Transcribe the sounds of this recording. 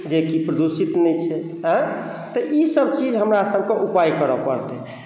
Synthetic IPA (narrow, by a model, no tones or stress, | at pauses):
d͡ʒekipɾəd̪usit̪nɛjt͡ʃʰɛ | ɦə̃ | t̪ɔʔisəbt͡ʃid͡ʒɦəmɾasəb̚ʱkeʔupajkəɾəpə̰ɾt̪ɛ